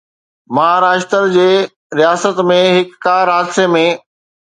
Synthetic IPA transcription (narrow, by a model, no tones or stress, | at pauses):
mɐɦaːɾaːʃt̪əɾd͡ʑeː | ɾijaːsət̪mẽɦɪkːaːɾɦaːd̪semẽ